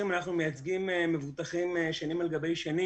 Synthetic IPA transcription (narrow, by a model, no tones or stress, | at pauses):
imanaχnumejat͡sɡimeme̞vut̪aχimeʃanimalɡabe̞jʃani